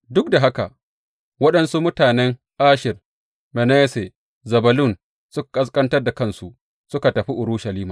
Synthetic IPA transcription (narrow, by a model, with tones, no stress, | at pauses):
dʊ˦k̚da˨ɦa˦ka̰˨ | wɐ˦ɗɐ˦nsu˦mʊ˦taː˨nɛ˦ŋ | ʔaː˦ʃɪ˨r | mɛ˨neː˦se˨ | zɐ˨bɐ˨lʊ˦˨n | sʊ˦kkʼɐ˦s̬kʼɐ˦ntɐ˦rda˨kɐ˦˨nsu˨ʔ | sʊ˦ka˨tɐ˨ɸi˦ʔʊ˨ɾʊ˦ʃɐ˨liː˦maː˨